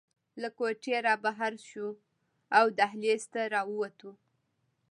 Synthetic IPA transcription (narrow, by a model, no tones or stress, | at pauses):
lakoʈeɾɑbaɦaɾʃu | awd̪aɦlest̪aɾɑwəwat̪u